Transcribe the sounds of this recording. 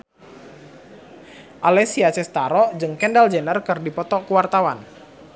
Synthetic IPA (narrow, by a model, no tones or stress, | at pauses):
ʔalɛsiat͡ʃɛst̪aɾɔd͡ʒɨŋkɛndald͡ʒənərkɨrdipɔt̪ɔkuwart̪awan